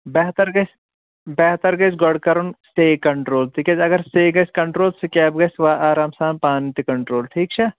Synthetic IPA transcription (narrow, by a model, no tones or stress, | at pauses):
bɛːɦt̪ɐɾɡɐs | bɛːɦt̪əɾɡɐsɡɐɽkɐɾonseːkɐɳʈɾoːlt̪ʰiːked͡ʒɐɡɐɾseːɡɐskɐɳʈɾoːlsekʲɛːbɡɐsʋaːʔaːɾaːmsaːmpaːnt̪ikɐɳʈɾoːlʈʰiːk̚t͡ʃʰaː